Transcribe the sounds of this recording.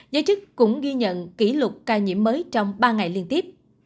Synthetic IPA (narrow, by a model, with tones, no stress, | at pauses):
zəː˨˦jt͡ɕɨ˦˥t̚kʊ̰˧˥ŋ͡mɣi˧ɲə̰˧˨nki˧˩lʊ˨˩t̚kaː˧ɲḭ˧˩˥əmːəː˨˦jt͡ɕɔ˧wŋ͡mɓaː˧ŋa˨˩jli˧ənt̪i˦˥əp̚